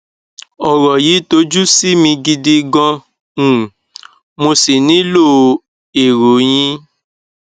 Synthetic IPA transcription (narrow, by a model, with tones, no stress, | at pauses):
ɔ˨ɾɔ˨jiː˨˦to˨˦d͡ʒu˦si˦mĩ˧ɡi˧di˧ɡɔ̃˧ | ũ˨ | mo˧se˨nĩ˨˦lo˦˨ | e˨ɾo˨j̃ĩ˦